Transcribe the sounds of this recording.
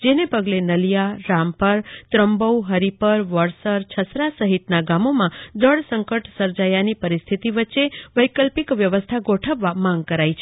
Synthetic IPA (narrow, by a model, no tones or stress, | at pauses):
d͡ʒenepəɡlenəlijaɾampəɾt̪ɾəmbəwɦəɾipəɾʋəɾsəɾt͡ʃʰəsɾasəɦit̪naɡamomãd͡ʒəɽsə̃ŋkəʈsəɾd͡ʒajanipəɾist̪ʰit̪iʋətːʃeʋəjkəlpikʋjəʋəst̪ʰaɡoʈʰəʋːamãŋɡ̚kəɾajt͡ʃʰe